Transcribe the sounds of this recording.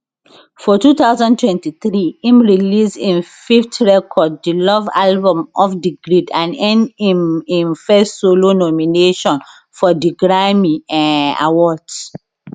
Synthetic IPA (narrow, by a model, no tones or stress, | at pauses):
fɔtut̪aʊzãntwɛ̃ntiθɹiĩmɹilisĩnfiftɹɛkʰɔd̚ːilɔva̰lbɔ̃mɔfdiɡɹidãnɛ̃ndĩmĩnfɛstsolonɔmineʃɔ̃n | fɔdiɡɹamĩãna̰wɔds